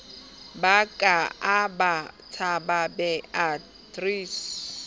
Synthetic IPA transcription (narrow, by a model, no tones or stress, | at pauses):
bakʼaabatʰababɛa | tʼris